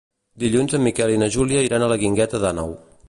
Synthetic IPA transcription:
d̪iʎunzəmːikɛlinəʒuliəiɾanələɣiŋɡɛt̪əðanɔ̰w

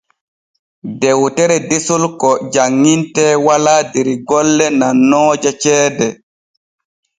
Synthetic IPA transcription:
dɛwtɛɾɛdesulkɔd͡ʒaŋːintɛwaladeɾiɡɔlːɛnanːɔːd͡ʒat͡ʃɛːdɛ

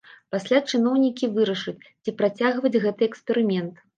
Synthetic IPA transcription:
pasʲlʲat͡ʂɨnɔwnʲikʲivɨɾɐʂɨt͡sʲt͡sʲipɾat͡sʲaɣvɐd͡zʲɣɛt̪ɨɛkspʲɛɾɨmʲɛnt̪

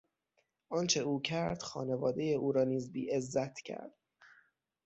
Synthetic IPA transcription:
ʔɒːnt͡ʃʰe̞uːcʰæɾd̪̥xɒ̰ːne̞vɒːd̪e̞jeʔuːɾɒːniːzbiːezːæt̪ʰcʰæ̰ɾd̪̥

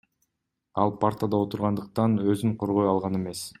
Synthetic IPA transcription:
ɑlˠpʰart̪əd̪ɑo̞t̪uɾʁɑnd̪ɯq̚t̪ɑnø̞zyɴqʰo̞ɾʁo̞jɑlˠʁɑne̞me̞s

